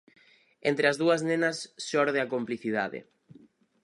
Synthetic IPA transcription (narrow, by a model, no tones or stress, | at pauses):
ent̪ɾɪɐzðuɐznenɐsːɔɾðeɐkompliθiðaðɪ̰